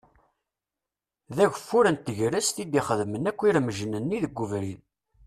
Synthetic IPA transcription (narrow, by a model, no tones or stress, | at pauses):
ðæʝʷfːuɾənt̪ːəʝɾæst̪id̪iχəðmənækʷːiɾməʒənənːiðəɡʷːuvɾin